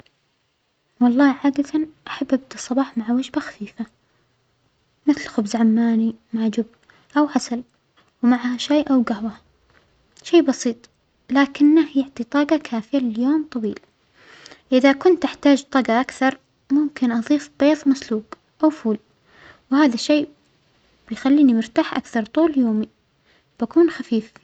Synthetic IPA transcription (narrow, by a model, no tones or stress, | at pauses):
wɑlˤːɑːʕaːd̪at̪anʔaħabːʔab̚d̪isˤɑbɑːħmaʕwad͡ʒbaxḁfiːfa | mɪθlxʊbzʕamːaːnimaʕd͡ʒʊb | ʔawħasal | wmaʕhaʃaːʔawɡahwa | ʃeːbɑsiːt̪ˤ | laːkɪnːahjɪʕt̪ˤit̪ˤɑːɡɑkʰaːfɪjalɪljoːmt̪ˤɑwiːl | ʔɪðakʊnt̪ʔɪħt̪aːd͡ʒt̪ˤɑːɡɑʔakθɑɾˤ | mʊmkɪnʔɑðˤiːfb̥eːðˤmasluːk | ʔawfuːl | whaːðaʃːeː | b̥ɪjxalːiːnimʊɾt̪aːħʔa̰kθɑɾˤt̪ˤuːljoːmi | b̥akuːnxafiːf